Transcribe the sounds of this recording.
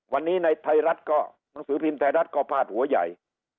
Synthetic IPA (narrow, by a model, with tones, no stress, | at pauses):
wa˧nːiː˦˥na˧jt̪ʰa˧jɾa˦˥t̪̚kɔː˥˩ | na˩˦ŋsɯː˩˦pʰiː˧mt̪ʰa˧ɾa˦˥t̪̚kɔː˧˩pʰaː˧˨˩t̪̚hu˨˩˦ɐja̰˨˩j